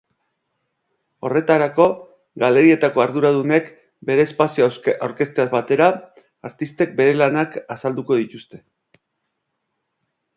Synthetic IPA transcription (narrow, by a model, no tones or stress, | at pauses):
o̞̰re̞t̪aɾako̞ | ɡale̞ɾie̞t̪ako̞aɾðuɾað̞une̞k | be̞ɾe̞ːspasioawɾke̞st̪eazβat̪e̞ɾa | aɾt̪ist̪e̞k̚be̞ɾe̞lanakasald̪uko̞ð̞it̪ust̪e̞